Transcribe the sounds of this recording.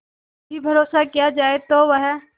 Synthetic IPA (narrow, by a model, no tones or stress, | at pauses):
bʱibʱɐɾoːsakijad͡ʒaːet̪oʋəɦ